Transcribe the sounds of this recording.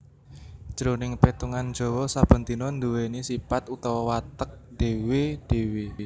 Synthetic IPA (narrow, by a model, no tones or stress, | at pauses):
d͡ʒ̥əɾonɪŋpet̪uŋand̥ʒ̥ɔ̤wɔsab̥ə̤nt̪inɔnd̪uwenisipat̪ut̪ɔwɔwat̪ək̚d̪̥e̤wed̪̥e̤we